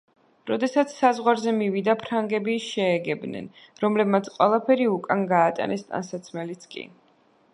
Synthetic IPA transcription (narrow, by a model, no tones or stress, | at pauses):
ɾɔd̪ɛsat̪sʰsazʁwaɾzɛmivid̪apʰɾaŋɡɛbiʃɛːɡɛbnɛ̰n | ɾɔmlɛbmat̪sʰqʼwɛlˠapʰɛɾiukʼanɡaːt̪ʼa̰nɛst̪ʼa̰nsat̪sʰmɛlit̪sʰkʼḭ